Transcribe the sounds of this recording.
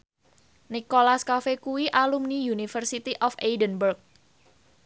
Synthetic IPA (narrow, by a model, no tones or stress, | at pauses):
nikolaskafekuwiʔalumnijunifərsit̪iʔɔfejdənbərk̚